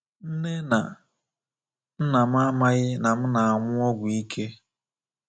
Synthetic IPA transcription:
n̩˦ne˦na˨ | n̩˦na˨m̩˦a˦ma˦ɣɪ˦na˨m̩˦na˨a˨ŋʷʊ˦ɔ˦ɡʷʊ˨i˦kʰe˦

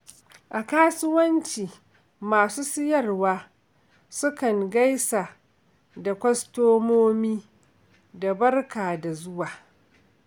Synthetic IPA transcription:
ʔa˨kaː˦sʊ˦wɐ˦nt͡ʃiː˨ | maː˨suː˦sɪ˦jɐ˦˨rwaː˦ | sʊ˦kɐ˨ŋɡa˦jsaː˨ | da˨kʷɐ˦stoː˦moː˦miː˦ | da˨bɐ˦rkaː˨da˨zʊ˦waː˨

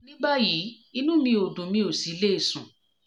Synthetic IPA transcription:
nĩ˦ba˦ji˨˦ | i˧nũ˦mĩ˧o˨dũ˨mĩ˦o˨si˨˦le˦e˨sũ˨

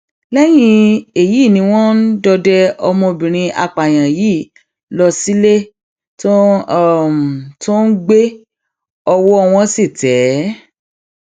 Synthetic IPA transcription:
lɛ˦j̃ĩ˧e˨ji˨˦˨nĩ˧w̃ɔ̃˦n̩˦dɔ˧dɛ˦ɔ˧mɔ̃˧bĩ˨ɾ̃ĩ˧a̰˧k͡pa˨j̃ã˨ji˨˦˨ | lɔ˧si˦le˦ | to˦˨ | m˨to˦n̩˦ɡ͡be˦ | ɔ˧wɔ˦ɔ˧w̃ɔ̃˧si˦˨tɛ˨˦

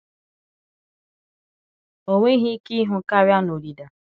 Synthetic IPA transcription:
o˨ŋʷe˦ɦi˦ki˦ɦʊ˨ka˦ɾja˦no˨ɾi˨da˨

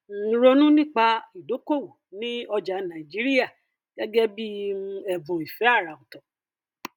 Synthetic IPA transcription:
n̩˨˦ɾo˧nũ˦nĩ˦˨k͡pa˧i˨do˨˦ko˦˨wu˨nĩ˦ɔ˧d͡ʒa˨˧nã˨i˨d͡ʒi˨˦ɾi˦ja˦˨ | ɡ̥ɛ˦ɡɛ˦bi˦ɛ˨vo˨i˨fɛ˨˦a˦˨ɾa˨o˨tɔ̃˨

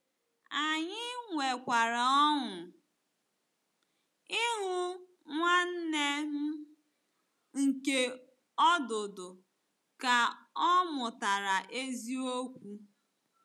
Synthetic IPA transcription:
a˨ɲɪ˦ŋʷe˨kʷa˨ɾa˨ɔ˦ŋʊ˨ | ɪ˦ɦʊ˦ | ŋʷa˦n̩˦ne˦m̩˦ | ŋ̩˨ke˦ | ɔ˦dʊ˨dʊ˨ | ka˨ɔ˦mʊ˨ta˨ɾa˨ʔe˦zi˦o˦kʷu˦

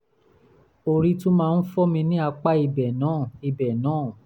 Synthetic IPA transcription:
o˧ɾi˦tũ˦mãː˦˧n̩˦fɔ˦mĩ˧nĩ˦a˧k͡pa˦i˧bɛ˨nãː˨˦˨i˧bɛ˨nãː˨˦˨

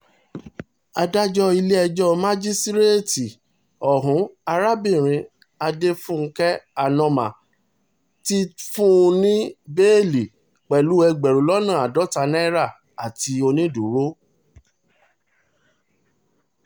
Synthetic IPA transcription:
a˧da˦d͡ʒɔ˦i˧le˦ɛ˧d͡ʒɔ˦mã˦d͡ʒi˦stɾe˦ti˨ | ɔ˨ɦũ˨˦a˧ɾa˦bĩ˦˨ɾ̃ĩ˧ | a˧de˦fũ˦˧˦kɛ˦a˨nɔ̃˧mã̰˨ | ti˦fũ˦˧nĩ˦be˦li˨ | k͡pɛ˨lu˨˦ɛ˧ɡ͡bɛ˨ɾo˨lɔ˦nã˦˨a˨dɔ˦ta˧nɛ̃˦ɾa˦˨ | a˨ti˧o˧nĩ˦du˨ɾo˦

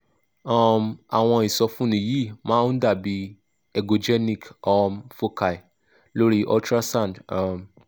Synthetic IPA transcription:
ɔ˦ma̰˨w̃ɔ̃˧i˨sɔ˧fũ˦nĩ˨ji˦˨mãː˦u˦da˦˨bi˧˦ | ɛ˨ɡo˨d͡ʒɛ˦nĩ˦˨kɔ˧mfo˦kʰa˨i˨ | lo˦ɾi˦ʔɔ̰˦ltɾa˦sã˦˨ndɔ˨m

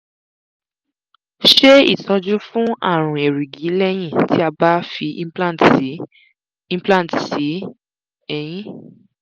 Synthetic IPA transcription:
ʃe˦ḭ˦˨tɔ˧d͡ʒu˦fũ˦a̰˦˨ɾ̃ũ˨e˨ɾi˨ɡi˨˦lɛ˦j̃ĩ˦˨tʰi˨˦a˧ba˦fĩ˧˦pla˦˨t | ĩ˦plã˦˨tsi˨˦ | ɛ˦˨j̃ĩ˦

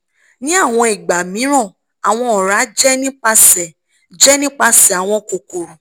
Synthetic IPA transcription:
nĩ˨˦a˦˨w̃ɔ̃˧i˨ɡ͡ba˨mĩ˨˦ɾ̃ɔ̃˦˨ | a˨w̃ɔ̃˧ɔ˨ɾa˨˦d͡ʒɛ˦nĩ˦k͡pa˧sɛ˨ | d͡ʒɛ˦nĩ˦k͡pa˧sɛ˨a˨w̃ɔ̃˧ko˨ko˨ɾu˨

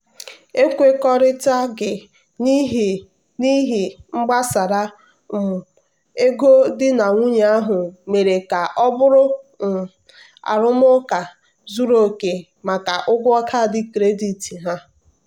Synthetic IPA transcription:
e˦kʷe˦kɔ˦ɾɪ˦ta˦ɡɪ˨ | ni˦ɦ | ni˦ɦi˨ŋ͡m̩˦ɡ͡ba˦sa˨ɾa˦ | m̩˨ | e˦ɡo˦dɪ˦na˨ŋʷu˦ɲ˨˦a˦ɦʊ˨me˨ɾe˨ka˨ʔɔ˦bʊ˦ɾʊ˦m̩˨ | a̰˨ɾʊ˦m˦ʊ˦ka˨ | zu˦ɾo˦˨ke˨ | ma˨ka˨ʔʊ˦ɡʷʊ˦ɔ˦kʰa˦˨dɪ˦kɾe˦di˨ti˨ɦa˦

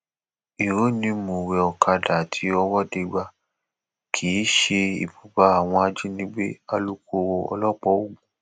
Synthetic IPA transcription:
i˨ɾo˨˦nĩ˧˦mo˨wɛ˨ɔ˨ka˧da˨tʰi˨˦ɔ˧wɔ˦˨de˧˦ɡ͡ba˧ | kʰi˨˦ʃe˧ḭ˨bu˨ba˧˦a˨w̃ɔ̃˧a˧d͡ʒi˦nĩ˦ɡ͡be˦a˧lu˦ko˧˦wo˧ɔ̰˧lɔ˦˨k͡pɔ˦o˦˨ɡ̃ũ˨˦

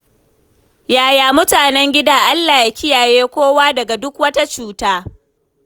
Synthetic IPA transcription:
jaː˦jaː˨mʊ˦taː˨nɛ˦ŋɡʲɪ˦daː˦ʔa˦lːaː˨ja˨kʲɪ˦jaː˨jeː˦kʷoː˦waː˦dɐ˨ɡa˨dʊ˦kwɐ˦ta˦t͡ʃuː˦taː˦

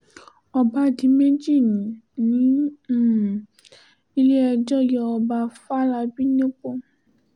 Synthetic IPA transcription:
ɔ˧ba˧˦di˨˦me˦d͡ʒi˦˨nĩ˨nĩ˨˦˨ | i˧le˦ɛ˧d͡ʒɔ˦jɔ˧ɔ˧ba˧fa˦la˧bi˦nẽ˦k͡po˦˨

